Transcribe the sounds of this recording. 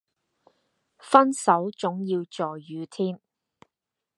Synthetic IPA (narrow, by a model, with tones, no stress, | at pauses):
fɐ˥nsɐ˨˥wt͡sʊ˨˥ŋjiː˧wt͡sɔː˨jːyː˨˧t̪ʰiː˥m